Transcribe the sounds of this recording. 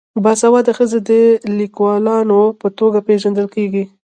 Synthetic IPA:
bɑsawɑd̪əxəzed̪əlikwɑlɑnopət̪oɡapeʒand̪əlkeɡi

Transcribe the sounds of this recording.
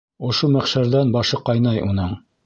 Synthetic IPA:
ŏʃomæχʃæɾðænbɑʃɤqɑjnɑjʔunɤɴ

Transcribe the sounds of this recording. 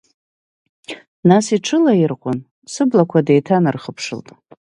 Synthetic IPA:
nasiʈ͡ʂʰɨlaɪrqʷʼʊn | sɨblakʷʰadejtʰanɨrχəpʰʂɨ̰ltʼ

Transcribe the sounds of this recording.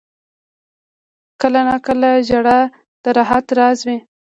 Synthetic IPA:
kəlanɑkəlaʒaɽa | d̪̥əɾaɦat̪ɾɑzwi

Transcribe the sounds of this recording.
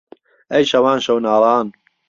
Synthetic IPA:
ɐjʃɐwaːnʃɐwnaːɾˤɑːn

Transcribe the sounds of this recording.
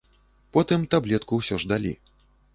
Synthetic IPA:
pɔt̪ɨmt̪ablʲɛt̪̚kuwsʲɔʐd̪alʲḭ

